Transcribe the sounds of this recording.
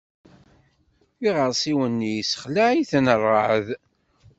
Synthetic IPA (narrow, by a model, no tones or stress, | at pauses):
iʁəɾˤsˤiwənːijsə̥χlaʕiθnərˤːəʕəð